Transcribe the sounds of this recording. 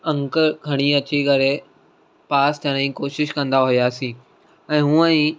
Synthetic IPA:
ɐ̃ŋkəɾɡʱɐɽ̃iɐt͡ɕikɐɾe | paːst̪ɐ̃ɽ̃ĩkoːʃɪʃkɐ̃nd̪aɦujaːsĩː | ɛ̃ːɦũːə̃ĩ

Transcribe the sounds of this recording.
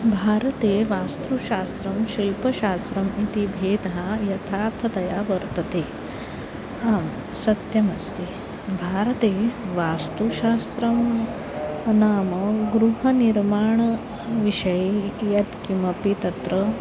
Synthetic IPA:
bʱaːɾɐt̪eːʋaːst̪ɾuʃaːst̪ɾɐmʃilpɐʃaːst̪ɾɐmit̪ibʱeːd̪ɦajɐt̪ʰaːɾt̪ʰɐd̪ɐjaːʋɐɾt̪ɐt̪eː | aːm | sɐt̪jɐmɐst̪eː | bʱaːɾɐt̪eːʋaːst̪uʃaːst̪ɾɐm | naːmɐɡɾuɦɐniɾmaːɳɐ | ʋiʃɐjjɐt̪kimɐpit̪ɐt̪ɾɐ

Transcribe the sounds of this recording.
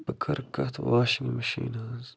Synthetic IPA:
pɐkʰɐɾkɐt̪ʰwaːʃiŋmɐʃḭːnaːz

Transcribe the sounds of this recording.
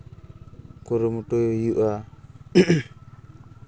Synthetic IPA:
kuɾumutojjuʔa

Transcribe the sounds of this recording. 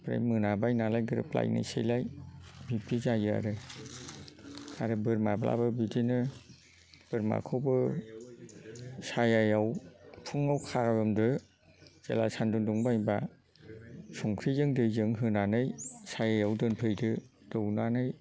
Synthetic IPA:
pɾa̰jmɯnabajnalajɡɯɾɯ̰pla̰jna̰jsḛjlajbipizajɯa̰ɾɯ | aɾɯbɯɾmabla̰bɯbidinɯ | b̥ɯɾma̰kʰɯwbɯ | sajajawpʰɯŋawkʰaaɾɯmdɯ | z̥ḛlasandunduŋbajba | sɔŋkʰɾizɯŋdɯjzɯŋɦɯnanɯjsajajawdɯnpʰɯjdɯdɯwnanɯj

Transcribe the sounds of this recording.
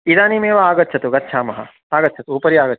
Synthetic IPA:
id̪aːnimeːʋɐaːɡɐt̪ːt͡ʃʰɐt̪uɡɐt̪ːt͡ʃʰaːmɐɦɐ̰ | aːɡɐt̪ːt͡ʃʰɐt̪uupɐɾiaːɡɐtːt͡ʃ̪ʰː

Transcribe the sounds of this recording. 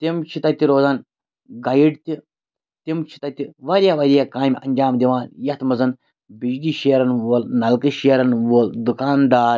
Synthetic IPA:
t̪emt͡ʃʰit̪ɐt̪ʲiɾoːzaːn | ɡajiɖt̪ʲi | t̪imt͡ʃʰi̥t̪ɐt̪ʲiʋaːɾʲjaːʋaːɾʲjakaːmʲɐ̰ɲʲd͡ʒaːmd̪iʋaːnjɐt̪mɐzɐn | bid͡ʒɖiːʃeːɾɐnʋoːlnɐlkɨʃeɾɐnʋoːld̪ukaːnd̪aːɾ

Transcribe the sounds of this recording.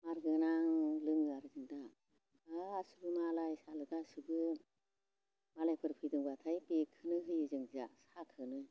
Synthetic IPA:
maɾɡɯnaŋlɯŋɡaɾɯzɯŋda | aːsɯbɯmalajsalɯɡasɯbɯ | malajpʰɯɾpʰɯjdɯŋbat̪ʰajbekʰɯnɯɦɯjɯzɯŋza̰sakʰɯnɯ

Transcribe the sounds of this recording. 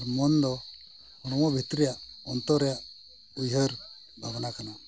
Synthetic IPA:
ɾmɔnd̪ɔ | hɔɽ̃ɔmɔbʱit̪ɾijaʔɔnt̪ɔɾɛjaʔ | ujɦəɾ | bʱabnakana

